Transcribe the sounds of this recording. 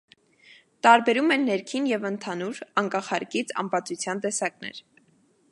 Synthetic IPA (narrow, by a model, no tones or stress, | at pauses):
t̪ɑɾbɛɾumɛnːɛɾkʰinjɛvənt̪ʰɑnuɾɑŋkɑχɑɾkit͡sʰɑ̰mpɑt͡sut͡sʰjɑnt̪ɛsɑknɛ̰ɾ